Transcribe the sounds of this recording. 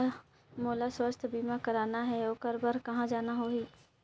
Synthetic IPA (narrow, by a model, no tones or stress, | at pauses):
moːlaswəst̪ʰbiːmãkɐɾaːnaɦɛoːkɐɾbəɾkɐɦãd͡ʒaːnaɦoːɦiː